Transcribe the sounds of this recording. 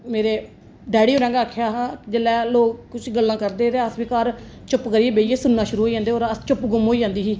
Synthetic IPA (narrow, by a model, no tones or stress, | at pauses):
meːɾeː | ɖɛːɽiːoːɾɛ̃ːŋɡaəːkʰjaːɦd͡ʒəlːɛːloːkkʊt͡ʃʰɡəlːãːkəɾd̪eːɾeːəsbiːkaːɾ | t͡ʃʊpkəɾiːeːbeːeːsʊnːaːʃʊɾuːɦoːiːd͡ʒãːnd̪eːoːɾət͡ʃʊpɡʊmɦoːiːd͡ʒãːnd̪iːɦiː